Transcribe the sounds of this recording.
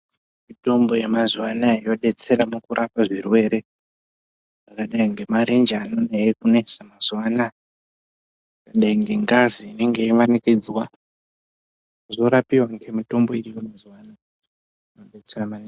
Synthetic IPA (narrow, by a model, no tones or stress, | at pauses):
mito̞mbo̞jemazwanaijo̞ɗe̞t͡se̞ɾamukuɾʔapaʐirwe̞ːɾe̞ | ʐakaɗaiŋɡe̞maɾend͡ʒanoneɦekune̞ʐ̥amazwana | akaɗaiŋɡe̞ŋɡaziːne̞ŋɡe̞iʋanikid͡zwa | ʐo̞ɾapiwaŋɡe̞mito̞mbo̞iɾiwemazwana | inoɗe̞t͡seramane